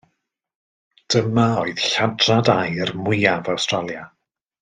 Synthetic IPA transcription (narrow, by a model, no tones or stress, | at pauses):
d̥əmaoɨð̥ɬadradajərmwɪːavawstralˠja